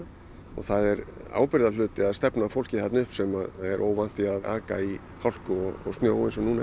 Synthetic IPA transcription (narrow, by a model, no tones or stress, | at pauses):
ɔ̰θaðɛɾa̰ːwpɪɾðalʏːt̪ɪaðst̪ɛpnafowl̥cɪθɛt̪nʏhpsɛmaðaðɛɾʔo̰ːwvan̥t̪ɪaða̰ːka̰i | hawl̥kʏɔɣɔ̰ɣst̪njoːwɪnsɛmnuna